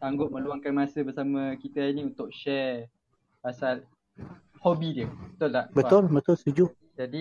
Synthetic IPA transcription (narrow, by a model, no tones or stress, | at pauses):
saŋɡʊʔ̚mə̃luaŋkanmãsəbəsamə̃kit̪ainĩunt̪ʊʔ̚ʃɛ | asal | hobidiəbət̪ʊllabət̪ʊlbət̪ʊlst̪ud͡ʒʊ | d͡ʒadi